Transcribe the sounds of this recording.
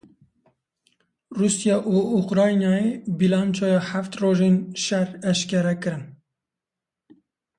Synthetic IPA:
rusjɑːʔuuqɾɑːjnɑjebilɑːnt͡ʃʰɑːjɑhæft̪roːʒenʃæɾɛʃkʲɛɾɛkɨɾɨm

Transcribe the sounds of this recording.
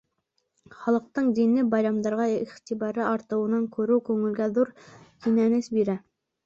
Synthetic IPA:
χɑlˠɤ̆q̚t̪ɤɴd̪inlːɘbɑjɾɑmd̪ɑɾʁɑiχt̪ibɑɾɤʔɑɾt̪ɤ̆wɤ̆nɑŋkʰʉɾʉwkʉŋɘ̆lɡæðuɾk̪ʰinænɘsbiɾæ

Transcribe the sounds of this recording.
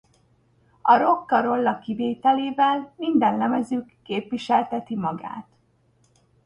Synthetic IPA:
ɒɾo̞kːɒɾo̞lːɒkiveːt̪ɛleːvɛlmind̪ɛnlɛmɛzykːeːpʋiʃɛlt̪ɛt̪imɒɡa̰ːt̪

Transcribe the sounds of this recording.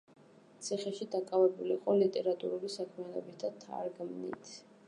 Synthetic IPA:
t̪sʰiχɛʃid̪akʼavɛbuliːqʼɔlit̪ʼɛɾat̪ʼṵɾulisakʰmianɔbit̪̚ʰd̪at̪ʰa̰ɾɡmnḭt̪ʰ

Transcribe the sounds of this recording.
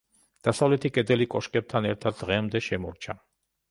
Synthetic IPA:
d̪̥asavlɛt̪ʰikʼɛd̪ɛlikʼɔʃkʼɛb̚t̪ʰanɛɾt̪ʰad̪ːʁɛmd̪ɛʃɛmɔɾt͡ʃʰa

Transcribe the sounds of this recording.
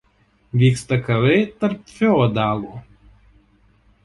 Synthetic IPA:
ʋʲiːkst̪ɐkɐʋɐɪt̪ɐɾp̚fʲɛɔd̪ɑːlˠuː

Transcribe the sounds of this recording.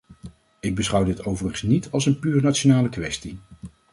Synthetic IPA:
ɪɡ̚bəsχʌwdɪtowvərəχəsnitʰɑlˠsənpyːɹnatt͡ʃonaːləkʋɛsti

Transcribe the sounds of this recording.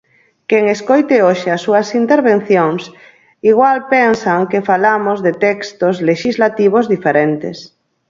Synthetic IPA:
keŋeskojt̪eoʃeasːuasint̪eɾβen̟θjoŋs | iɣ̞walpensaŋkefalamozðet̪ɛkst̪ozleʃizlat̪iβ̞ozðifeɾent̪ḛs

